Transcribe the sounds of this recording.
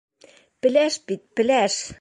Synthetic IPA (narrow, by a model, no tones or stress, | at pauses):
pɘ̆læʃpit̪̚pɘ̆læʃ